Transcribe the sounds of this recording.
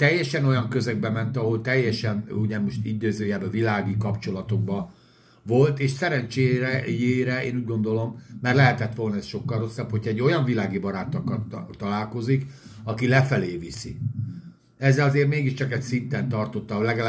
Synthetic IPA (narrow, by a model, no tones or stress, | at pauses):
t̪ɛjːɛʃɛno̞jɒŋkøzɛɡ̚bɛmɛnt̪ɒɦo̞lt̪ɛjːɛʃɛnuɟɛmo̞ʃt̪id̪øːzøːjɛbvilaːɡikɒpt͡ʃo̞lɒt̪o̞ɡ̚bɒ | vo̞lt̪eːʃsɛɾɛnt͡ʃejeːɾɛeːnuːɟɡo̞nd̪o̞lo̞mːɛrlɛɦɛt̪ɛt̪ʋo̞lnɒɛsʃo̞kːɒlro̞sːɒpʰhocʰɒɛɟːo̞jɒɱvilaːɡibɒɾaːt̪ɒkɒt̪ːɒlaːlko̞zik | ɒkilɛfɛleːvisḭ | ɛzːɛlɒzeːrmeːɡiʃt͡ʃɒkɛcsint̪ɛnt̪ɒrt̪o̞t̪ːɒlɛɡɛ